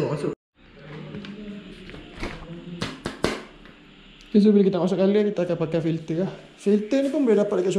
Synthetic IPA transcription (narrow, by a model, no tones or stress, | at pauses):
asʊ | is̬ubilakit̪amas̬ʊʔkaliakit̪aːkanpakafilt̪əah | filt̪ənipʊŋmbəɛdapat̪̚kaʔs